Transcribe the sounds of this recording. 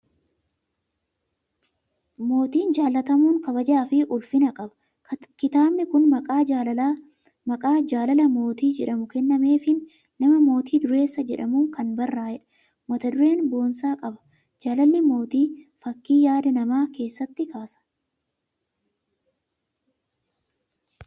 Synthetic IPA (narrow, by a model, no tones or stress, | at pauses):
mo̞ːt̪iːnd͡ʒaːlːɐt̪ɐmuːŋkɐbɐd͡ʒaːfɪʔʊlfɪnɐkʼɐbɐ̥ | kɪt̪aːbnɪkʊnmɐkʼaː | mɐkʼaːd͡ʒaːlɐlɐmo̞ːt̪iːd͡ʒɛᶑɐmʊkɛnːɐme̞ːfɪnː | ɐmɐmo̞ːt̪iːd̪ʊɾe̞ːsːɐd͡ʒɛᶑɐmuːŋkɐnbɐrːaːjɛᶑɐ̥ | mɐt̪ɐd̪ʊɾe̞ːnbo̞ːnsaːkʼɐbɐ̥ | d͡ʒaːlɐlːɪmo̞ːt̪iːfɐkːiːjaːd̪ɐnɐmaːke̞ːsːɐt̪ːɪkaːsɐ̥